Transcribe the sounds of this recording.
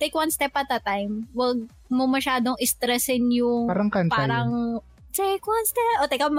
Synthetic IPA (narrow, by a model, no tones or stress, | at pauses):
t̪ejkwɐnst̪ɛpɐt̪̚d̪ɐt̪ajmwɐɡ̚ | momɐʃaːd̪oŋɪst̪ɾɛsɪnjʊŋaɾɐŋkɐntpaaɾɐŋ | t̪ekwanst̪ɛpʔot̪ɛkɐm